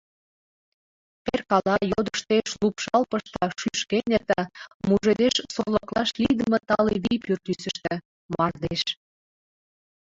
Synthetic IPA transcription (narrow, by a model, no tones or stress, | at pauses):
perkɑlɑjod̪əʃt̪eʃlupʃɑlpəʃt̪ɑʃyʃkenʲet̪ɑmuʒed̪eʃsorləklɑʃlid̪əmət̪ɑleβijpyrt̪ysə̆ʃt̪ə̆ | mɑrd̪eʃ